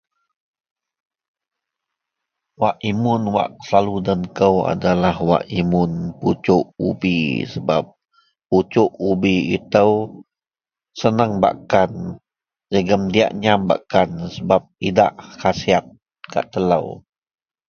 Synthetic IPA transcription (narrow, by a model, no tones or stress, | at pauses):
waʔimʊnwa̰ʔsaludənkəwa̰dalahwa̰ʔimʊnput͡ʃʊʔubḭsəba̰p̚ː | ut͡ʃʊʔubiḭt̪əw | sənəŋba̰ʔkan | d͡ʒəɡəmdia̰ʔɲamba̰ʔkansəbap̚idaʔkasiat̪̚ | ka̰ʔt̪ələ̰w